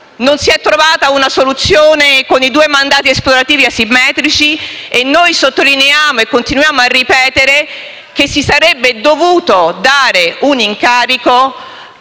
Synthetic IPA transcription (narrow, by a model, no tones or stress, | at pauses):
nonsiɛt̪ːɾovaːt̪aunasolut̪sːjoːnekonid̪uːemand̪aːt̪̬iesploɾat̪iːviasimːɛːt̪ɾit͡ʃienːojsot̪ːolineaːmoekːont̪inujaːmoarːipɛːt̪eɾe | k̟esːisaɾɛbːed̪ovuːt̪od̪aːɾeuniŋkaːɾiko